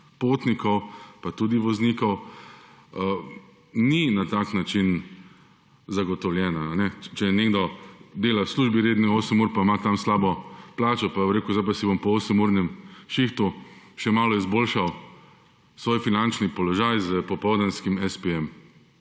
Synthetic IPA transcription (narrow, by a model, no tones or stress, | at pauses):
pot̪nikɔwpat̪ud̪iʋɔznikɔw | ninat̪aːknat͡ʃin | zaɡɔt̪ɔwljɛːnaːnɛt͡ʃɛjɛneɡd̪ɔd̪eːlawsluːʒbiɾeːd̪nioːsəmuɾpamat̪amslaːbɔplaːt͡ʃɔpabomɾeːkuʊzdajp̬asibompɔoːsəmuɾnjɛmʃixt̪u | ʃɛmaːlɔizboːlʃaw | sʋoːjfinant͡ʃnipɔlɔʒajzəpɔpɔwd̪anskimɛspeɛm